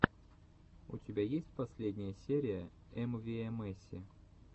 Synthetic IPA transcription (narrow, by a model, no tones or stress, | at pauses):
ʊ̰tʲɪbʲajesʲtʲpɐsʲlʲedʲnʲɪjəsʲeɾʲɪjə | ɛmvʲɪɛmɛsʲːɪ